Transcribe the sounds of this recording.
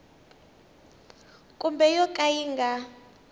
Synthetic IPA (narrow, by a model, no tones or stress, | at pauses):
kʼumbɛjɔkʼajiŋɡʱa